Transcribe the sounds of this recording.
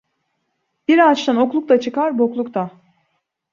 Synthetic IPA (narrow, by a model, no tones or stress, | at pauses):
b̥iɾat͡ʃt̪ano̞klˠuk̚t̪ˠat͡ʃʰɯkaɾboklˠukt̪ʰa